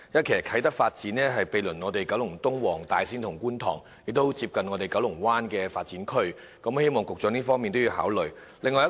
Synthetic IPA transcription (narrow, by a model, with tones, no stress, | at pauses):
jɐ˥t̚kʰe˨˩jkʰɐ˨˥jt̪ɐ˥k̚faː˧t̚t͡siː˨˥nɛː˥ɦɐ˨jpe˨˧jlɵ˨˩nŋɔː˨˧t̪e˨jkɐ˨˥wlʊ˨˩ŋt̪ʊ˥ŋwɔː˨˩ŋt̪aː˨jsiː˥nt̪ʰʊ˨˩ŋkuː˥nt̪ʰɔː˨˩ŋ | jɪ˨k̚t̪o˥wt͡siː˧p̚kɐ˨nŋɔː˨˧t̪e˨˩jkɐ˨˥wlʊ˨˩ŋwaː˥nkɛː˧faː˧t̚t͡siː˨˥nkʰɵ˥ɥ | kɐ˨˥mhe˥jmɔː˨˩ŋkʊ˨k̚t͡ʃœː˧˥niː˥fɔː˥ŋmiː˨nt̪o˥jiː˨˧wha̰ː˨˥wlɵ˨ɥ | lɪ˨ŋːɔː˧jɐ˥